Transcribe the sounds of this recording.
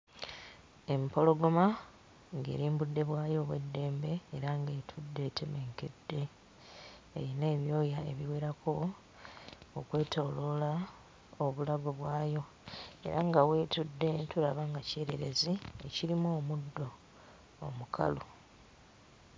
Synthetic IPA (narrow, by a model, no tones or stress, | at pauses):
e̞mpo̞lo̞ɡoma | ŋɡe̞̰ːɾiːmbudːe̞βwaːjo̞ːβwedːe̞ːmbe̞ːɾaŋɡe̞ːtʰudːe̞tʰeme̞ŋke̞dːe̞ | ɾine̞ːβjo̞ːjae̞βiweːɾako̞ | kwe̞ːtoːlo̞la | oβulaβoβwaːjo̞ | e̞̰ɾaŋɡawe̞ːtudːe̞tuɾaβaŋɡace̞ːɾeɾe̞zieciɾimoːmudːo̞̰ː | mukʰa̰lo